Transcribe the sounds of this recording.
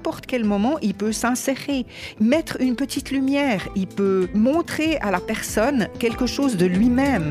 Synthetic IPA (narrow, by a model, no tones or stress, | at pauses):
ɛ̃pɔʁt̪kʲɛlmɔmɑ̃ʔilpøsɛ̃seʁemɛt̪χynpət̪it̪lymjɛːʁilpømɔ̃t̪χealapɛʁsɔnkʲɛlkəʃoːzd̪əlɥimɛm